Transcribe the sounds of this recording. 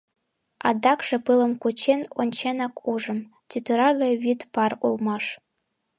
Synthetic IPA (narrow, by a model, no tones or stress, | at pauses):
ɑ̰d̪ɑkʂĕpɯlˠɤ̆mkut͡ɕenonʲt͡ɕenɑkuʐɤ̆m | t̪ʲyt̪ɘɾɑɣɑjβyt̪pɑrulˠmɑʂ